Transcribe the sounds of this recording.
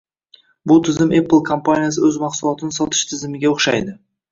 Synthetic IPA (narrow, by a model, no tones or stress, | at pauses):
bʊlˠt̪ʰɪzɪmepːəlˠkʰompanʲijasəɵzmɑqsulˠot̪ənsɑt̪ʰə̥ʃt̪ʰɪzɪmɪɡʲeoqʃɑ̰jd̪ə